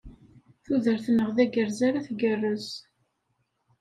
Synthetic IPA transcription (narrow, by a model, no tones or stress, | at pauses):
θuðəɾθnːəʁðæɡəɾzaɾaθɡərːəz